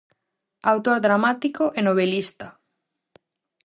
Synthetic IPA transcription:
awt̪oɾðɾamat̪ikoʔenoβ̞elist̪ɐ

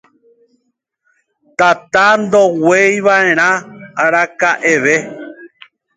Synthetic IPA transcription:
t̪at̪and̪owejʋaẽɾ̃ãaɾakaʔeʋe

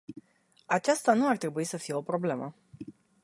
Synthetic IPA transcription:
at͡ʃast̪anuart̪ɾe̞buisəfije̞o̞pɾo̞ble̞mə

